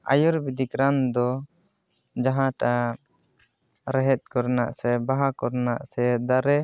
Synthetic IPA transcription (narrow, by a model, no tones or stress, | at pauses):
a̰jɔɾbid̪ikɾand̪ɔ | d͡ʒaɦãʈa | ɾɛɦɛt̪̚ˀkɔɾna̰ʔsɛbaɦakɔɾnaʔsɛd̪aɾɛ